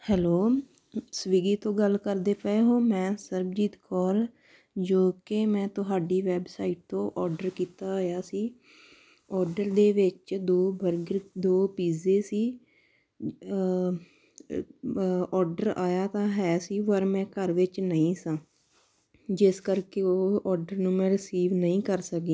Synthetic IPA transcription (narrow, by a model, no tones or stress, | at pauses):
hɛːloː | sʋiːɡiːt̪õːɡəlkəɾd̪eːpəeːɦoːmɛ̃ːsəɾbd͡ʒiːt̪kɔːl | d͡ʒoːkemɛ̃ːt̪ʊɦaːɖiːʋɛːbsaːiːʈ̚t̪õːʔɔːɾɖəɾkiːt̪aːojaːsiː | ɔːɾɖəɾd̪eːʋɪt͡ʃd̪oːbəɾɡɾd̪oːpiːzeːsiː | ɔːɾɖəɾaːjaːt̪ãːɦɛːsiːʋəɾmɛ̃ːkəɾʋɪt͡ʃnəɦĩːsãː | d͡ʒɪskəɾkeoʔɔːɾɖəɾnũːmɛ̃ːɾɪsiːʋnəɦĩːkəɾsəkeː